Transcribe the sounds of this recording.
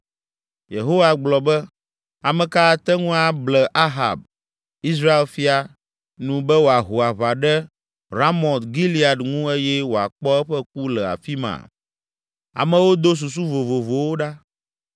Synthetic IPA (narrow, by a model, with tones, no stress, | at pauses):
je˨ɦo˦wa˨ɡ͡blɔ˨bɛ˦ | a˨mɛ̃˨ka˦˨t̪ɛ˦ŋũ˦a˨blɛ˨ʔa˦ɦa̰˨b̚ | i˦s̬ɾa˦e˨lfi˦a˨ | nũ˨bɛ˦wo˨a˨ɦo˨a˨βa˨ɖɛ˦ | ɾa˦mɔ̃˨t̪ɡi˦li˦a˨dŋũ˦e˦jɛ˦wo˨a̰˨k͡pɔ˦ɛ˦ɸɛ˦k̚u˦lɛ˨a̰˨fi˦mã̰˨ | a̰˨mɛ̃˨wo˦d̪o˦s̬u˨s̬u˦vo˨vo˨vo˨wo˦ɖa˦